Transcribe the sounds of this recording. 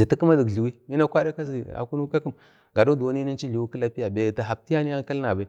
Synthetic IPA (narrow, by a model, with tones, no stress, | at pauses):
zi˨ti˦kə˦ma˦di˨ɡi˨wi˦mi˦na˦kʷa˦da˦ka˦zi˨a̰˨ku˦nu˦ka˦kə˦m | ɡa˨do˦da˨˦ni˦ni˦n˦t͡ʃi˦ɮi˨wi˦kə˦la˦pi˦ja˨be˨ta˨ɦa˨b̚ti˦ja˦ni˦ja˦ka˦lna˨ba˨i˦